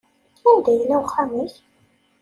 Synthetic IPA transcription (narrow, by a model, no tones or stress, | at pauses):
ænd̪æjəlːæwχæməç